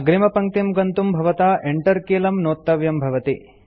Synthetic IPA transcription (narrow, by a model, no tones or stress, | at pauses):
ɡɾimɐpɐŋt̪jɐmɡɐnt̪umbʱɐʋɐt̪aːʔeɳʈɐɾkeːlɐmnoːt̪ːɐʋjɐmbʱɐʋɐt̪i